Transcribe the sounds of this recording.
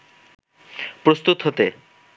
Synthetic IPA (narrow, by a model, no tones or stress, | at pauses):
pɾost̪ut̪ɦot̪e